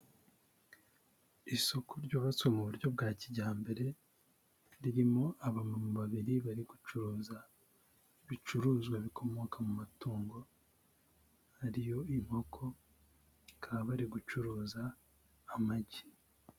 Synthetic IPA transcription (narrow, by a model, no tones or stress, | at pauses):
iso̞kʰoɾɟo̞βat͡swemuβuɾɟo̞b̚ɡaːciɟaːmbe̞ɾe̞ | ɾiɾimo̞ʔaβamumβaβiɾiβaɾiɡut͡ʃuɾuːza | βit͡ʃuɾuːzɡwaβikʰo̞mo̞kʰamumatuːŋɡo̞ | haɾijo̞im̥ho̞kʰo̞ | kʰaβaɾiɡut͡ʃuɾuːzaː | maɟi̥